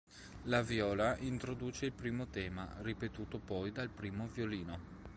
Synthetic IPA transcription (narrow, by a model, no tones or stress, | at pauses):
lavjɔːlaʔint̪ɾod̪uːt͡ʃeilpɾiːmot̪ɛːma̰ripet̪uːt̪opɔjd̪alpɾiːmovjoliːno